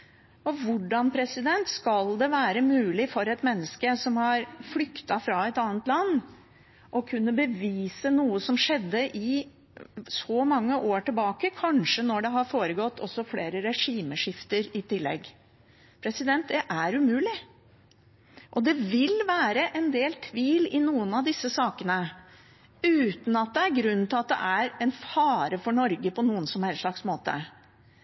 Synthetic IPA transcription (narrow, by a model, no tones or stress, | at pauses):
ɔʋʊɖɑnpʰɾɛsɪd̪ɛnt̪skɑld̪ɛʋæːɾəmʉːlɪfɔɾɛt̪mɛnːəskəsɔmhɑɾflʏkt̪ɑfɾɑɛt̪ɑːnət̪lɑnː | ʔɔkʰʉnːəbəʋiːsənuːəsɔmʂɛd̪ːəʔɪ | sɔmɑŋːəʔoːʈɪlbɑːkəkʰɑnʂənɔɖɛɦɑɾfoːɾəɡɔt̪ːɔsɔfleːɾəɾɛʂiːməʂɪft̪əɾɪt̪ɪlːɛ̰ɡ | pʰɾɛsɪd̪ɛnt̪̚d̪ɛʔæɾʉmʉːlɪ | ʔɔd̪ɛʋɪlʋæːɾəʔɛnd̪eːlt̪ʰʋiːlɪnuːənɑʋd̪ɪsːəsɑːkənə | ʉːt̪n̩ɑt̪̚d̪ɛæɾɡɾʉn̩ːt̪ʰɪlɑt̪̚d̪ɛ̰ʔæɾɛnfɑːɾəfɔɳɔɾɡəpɔnuːənsɔmæɾʂɭɑksmoːt̪ə̰